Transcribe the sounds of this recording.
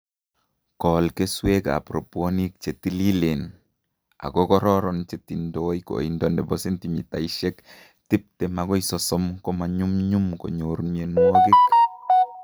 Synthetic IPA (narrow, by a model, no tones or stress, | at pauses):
kɔlkesweka̰pɾoponik̚t͡ʃetililen | a̰ɡɔkɔɾɔɾɔnt͡ʃetindɔjko̰indɔndɛbɔsintimitaiʃɛk | tip̚tɛmaɡɔjsɔsɔmkɔmaɲumɲumko̰ɲoɾmenwɔɡɪk